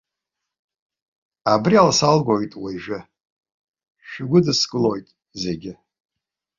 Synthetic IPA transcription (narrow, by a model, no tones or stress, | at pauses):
abrialsalɡʷojtʼwaʒᶣɪ | ʃᶣɪɡʷʊdɨsɡʼɨlojtʼ | zeɡʲɪ